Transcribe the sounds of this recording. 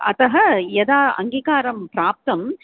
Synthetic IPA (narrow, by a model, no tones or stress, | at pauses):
ʔɐt̪ɐɦɐjɛðaːɐ̰ŋɡiːkaːɾɐmpɾaːp̚t̪ɐm